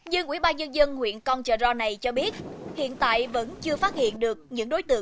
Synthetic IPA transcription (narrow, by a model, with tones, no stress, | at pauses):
ɲɨ˧ŋʔwi˧˩ɓaː˧nɲə˧nzə˧nhwḭ˧˨ənkɔ˧nt͡ɕəː˨˩zɔ˧na˨˩jt͡ɕɔ˧ɓi˦˥ət̚hḭ˧˨ənt̪a̰ː˧˨jvə̰˧˥nt͡ɕɨ˧əfaː˦˥t̚hḭ˧˨ənɗɨ˨˩ək̚ɲɨ̰˧˥ŋɗo˨˦jt̪ɨ̰˧˨ə